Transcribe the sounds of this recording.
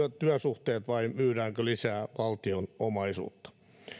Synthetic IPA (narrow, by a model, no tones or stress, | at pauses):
t̪yæsuht̪eːt̪ʋɑimyːræːŋkølisæːʋɑlt̪ionomɑisṵːt̪ːɑ̥